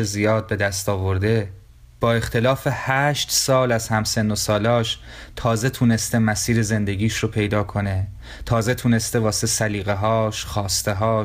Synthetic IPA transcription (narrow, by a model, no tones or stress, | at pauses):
ezijɒːd̪̚be̞d̪æst̪ɒːvo̞ɾd̪e̞ | b̥ɒːe̞xt̪ʰe̞lɒːfe̞hæːʃt̪sɒːlæzhæmse̞nːo̞sɒːlɒːʃ | t̪ʰɒːze̞t̪ʰuːne̞st̪e̞mæsiːɾe̞ze̞nd̪e̞ɟiːʃropʰe̞jd̪ɒːkʰo̞ne̞ | t̪ʰɒːze̞t̪ʰune̞st̪e̞vɒːsesæliːɣeɦɒːʃxɒːst̪e̞ɦɒː